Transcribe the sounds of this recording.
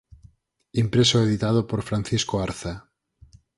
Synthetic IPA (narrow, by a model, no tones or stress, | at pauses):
impɾesoeðit̪að̞opoɾfɾan̟θiskoaɾθa